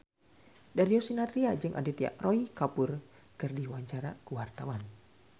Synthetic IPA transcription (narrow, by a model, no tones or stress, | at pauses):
daɾiɔsinat̪ɾiad͡ʒɨŋʔa̰dit̪ia̰ʔroikapʊr | kɨrdiwaɲt͡ʃaɾakuwart̪awan